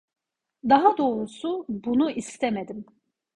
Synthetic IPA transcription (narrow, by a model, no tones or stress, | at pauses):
d̪ɑɦad̪o̞ːɾusubunuist̪ʰɛmed̪im